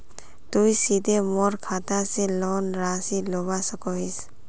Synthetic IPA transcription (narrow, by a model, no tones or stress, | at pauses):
t̪ujsid̪ʱemɔɾkʰat̪aselɔnɾasilɔbasɔkɔɦis